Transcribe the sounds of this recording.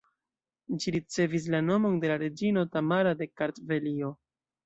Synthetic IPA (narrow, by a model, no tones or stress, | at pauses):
d͡ʒiɾit͡se̞vis̬lano̞mo̞nde̞laɾe̞d͡ʒino̞tamaɾade̞kaɾtve̞lio̞